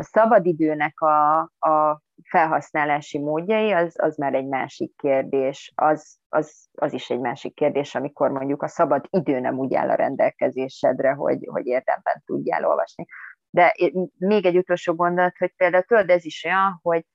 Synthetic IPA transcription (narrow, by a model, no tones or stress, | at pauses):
ɒsɒbɒd̪id̪øːnɛkɒː | fɛlɦɒsnaːlaːʃimoːɟːɒjiɒzɒ̰zmaːɾɛɟma̰ːʃikːeːrd̪eːʃɒz | ɒz | ɒziʃɛɟmaːʃikːeːrd̪eːʃɒmiko̞rmo̞ɲɟukɒsɒbɒd̪id̪øːnɛ̰muːɟa̰ːlʔɒ̰ɾɛ̰nd̪ɛlkɛzeːʃɛd̪rɛɦo̞̰ɟho̞̰ɟeːrd̪ɛ̰mbɛ̰nt̪uɟːa̰ːlʔo̞̰lvɒ̰ʃni | d̪ɛʔmeːɡɛɟːut̪o̞lʃoːɡo̞nd̪o̞lɒt̪ho̞c̚peːld̪aːut̪øld̪ɛziʃo̞jɒnho̞ɟ̚